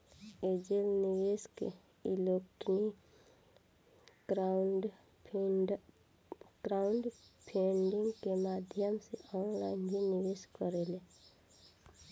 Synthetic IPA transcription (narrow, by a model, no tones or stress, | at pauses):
ed͡ʒelniʋeskḛ | ilokʈni | ɾɖ | ɡɾaʊɳɖpʰẽɳɖɪ̃ŋɡkemaːd̪ʱjəmseɔːnlaɪnd͡ʒiniʋeskəɾele